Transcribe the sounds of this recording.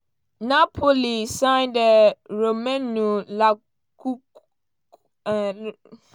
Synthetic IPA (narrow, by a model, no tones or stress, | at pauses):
napʰolisãɪndɛɾomɛ̃nũla | ku